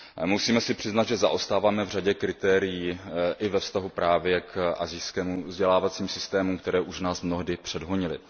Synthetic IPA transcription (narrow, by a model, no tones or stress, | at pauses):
musiːmɛsɪpr̝̥ɪznad̪ʒɛza̰ʔo̞st̪aːvaːmɛvr̝aɟɛkɾɪt̪ɛːɾɪjiːʔɪvɛfst̪aɦupɾaːvjɛkʔa̰zɪjskɛːmuvzɟɛlaːvat͡siːmsɪst̪ɛːmukt̪ɛɾɛːʔuʃnaːsmno̞ɦdɪpr̝̥ɛdɦoɲɪlɪ̰